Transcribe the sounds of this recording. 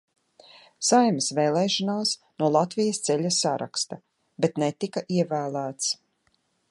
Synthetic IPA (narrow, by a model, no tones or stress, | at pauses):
sajməsvɛːlˠɛːʃanaːsnuɔlˠat̪vijɐst̪sɛʎʲasːaɾa̰kst̪a | bet̪nɛt̪ikaʔiɛvæːlˠæːt̪s